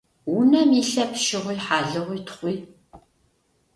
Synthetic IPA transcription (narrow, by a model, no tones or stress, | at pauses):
wʊnɐmiɬɐpʃɪʁʷiːħaːɮɨʁʷiːtʰχʷiː